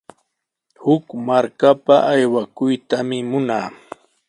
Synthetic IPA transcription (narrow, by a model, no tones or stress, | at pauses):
hʊkmaɾkapaʔajwakʊjt̪amɪmʊnaː